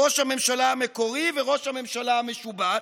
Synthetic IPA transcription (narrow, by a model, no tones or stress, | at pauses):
oʃhame̞mʃalaameko̞ʁiveʁo̞ʃhame̞mʃalaameʃuba